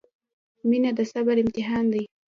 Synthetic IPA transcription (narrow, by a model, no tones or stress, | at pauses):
minad̪əsabaɾɪmt̪ɪɦɑnd̪aj